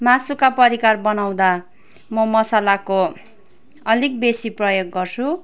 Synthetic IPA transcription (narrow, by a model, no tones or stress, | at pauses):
masukapʌɾikarbʌnaw̃d̪a | mʌmʌsalako | ʌlik̚besiprʌjoɡːʌrt͡sʰu